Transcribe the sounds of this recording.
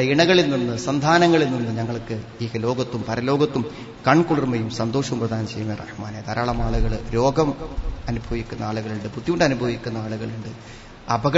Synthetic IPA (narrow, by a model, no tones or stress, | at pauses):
ɐiɳɐɣɐɭilninːɨsɐnd̪ʱaːnɐŋːɐɭilninːɨɲɐŋːɐɭkɨiːkɐlo̞ːɡɐt̪ːumpɐɾɐlo̞ːɡɐt̪ːum | kɐɳkuɭirmɐjumsɐnd̪oːʂɐʋumprɐd̪ʱaːnɐmt͡ɕejːumːɐjrʔɐ̰ħma̰ːnajt̪ɐɾaːɭɐmaːɭuɣɐɭɾo̞ːɡɐmɐnubʱɐʋikʲːunːɐaːɭuɣɐɭuɳɖɨput̪ːiuɳɖɐnubʱɐʋikʲːunːɐaːɭuɣɐɭuɳɖɨ | ɐbɐɣɐ